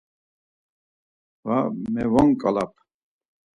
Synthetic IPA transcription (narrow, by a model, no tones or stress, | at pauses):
vamɛvɔŋkʼalap̚ʰ